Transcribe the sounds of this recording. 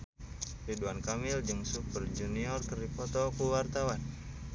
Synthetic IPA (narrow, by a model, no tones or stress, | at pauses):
riduankamɪld͡ʒɨŋsupərd͡ʒuniɔrkəripɔt̪ɔkuwart̪awan